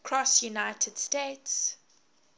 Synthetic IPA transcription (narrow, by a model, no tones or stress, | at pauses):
kʰɹ̥ɔsjunaɪtʰəd̥stets